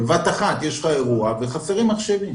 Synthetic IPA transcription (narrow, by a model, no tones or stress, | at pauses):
evat̪aχat̪jeʃχae̞ʁuaveχafeʁimaχʃevim